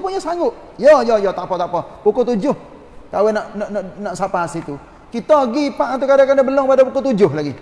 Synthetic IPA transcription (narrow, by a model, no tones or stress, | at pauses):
puɲasaŋɡʊʔ | jɔjɔjɔt̪apɔt̪apɔpukʊt̪ud͡ʒʊh | kawɛnaʔnaʔnanaʔsapaasit̪u | kit̪ɔɡipaʔat̪̬ukadakanabəlɔŋpadapukʊt̪ud͡ʒʊhlaɡi